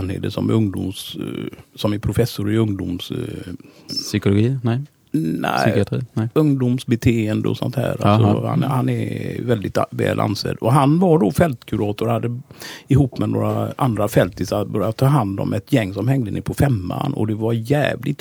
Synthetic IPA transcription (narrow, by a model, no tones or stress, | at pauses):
nhḛːd̪əsɔmɵŋd̪ʊ̰ms | sɔmɛpʰɾʊfɛsːʊɾɪɵŋd̪ʊms | sʏkʊlʊɡiːnɛ | næ̰sɪat̪ɾiːɵŋd̪ʊmsbɛt̪ʰeːənd̪əɔsɔ̰nt̪hæ̰ːɾa̰sɔha̰nhanɛvɛld̪ɪt̪vɛ̰ːlʔa̰nsɛ̰d̪ɔɦanvaɖofɛlt̪kʰʉɾɑːt̪ʊɾhad̪ːəɪɦuːpːmɛnoːɾaʔand̪ɾafɛlt̪ɪsabœɾjat̪ʰːɑːɦand̪ɔ̰mɛt̪ʰjɛŋːsɔmhɛŋd̪ənɪpʰɔfɛmːa̰nɔ̰d̪ɛvaɾjæːvlɪ